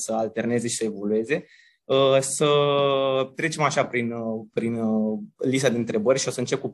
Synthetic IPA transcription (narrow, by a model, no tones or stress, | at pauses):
səalt̪e̞rne̞ze̞ʃi̥səe̞vo̞lue̞ze̞ | əsə | t̪ɾe̞t͡ʃe̞maʃapɾinpɾinlis̬t̪ad̪e̞ɨnt̪ɾe̞bərʲʃio̞səɨnt͡ʃe̞p̚ku